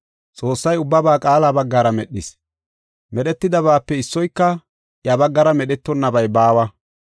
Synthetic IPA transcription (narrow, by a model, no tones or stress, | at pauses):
t͡sʼo̞ːsːɐjʊbːɐbaːkʼaːlaːbɐɡːaːɾɐmɛɗːɪs | mɛɗɛt̪ːɪd̪ɐβaːpːɛɪsːɔjkːɐ | jɐbɐɡːɐɾɐmɛɗɛt̪ːɔnːɐbɐjbaːwɐ